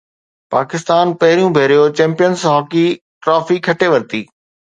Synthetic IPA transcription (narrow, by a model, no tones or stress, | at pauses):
paːkɪst̪aːnpɐɦɪɾijũbʱeːɾijot͡ɕɛ̃ːmpijənsɦɔːki | ʈɾɔːfikʰɐʈeʋɐɾt̪iː